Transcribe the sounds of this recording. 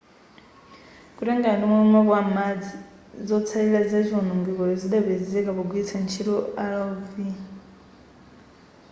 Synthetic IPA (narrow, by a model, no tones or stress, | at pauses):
kuɾeŋɡandimoumaβwamad͡zi | zot͡sʰailazezʷonuŋɡiβoziɗaβed͡zekaβoɡwit͡sʰant͡ʃʰiɾoalavi